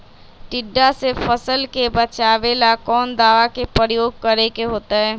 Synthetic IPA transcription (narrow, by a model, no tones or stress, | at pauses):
ʈɪɖːasefəsəlkebɐt͡ʃaːʋelakɔːnd̪aːʋakepɾjoːɡ̚kɐɾekeɦoːt̪aɦɛː